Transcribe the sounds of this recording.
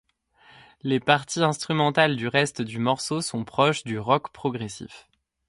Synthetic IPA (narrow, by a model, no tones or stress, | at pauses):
lepaʁt̪iɛ̃st̪χymɑ̃t̪ald̪yʁɛst̪d̪ymɔʁsosɔ̃pχɔʃd̪yʁɔkpχɔɡʁesḭf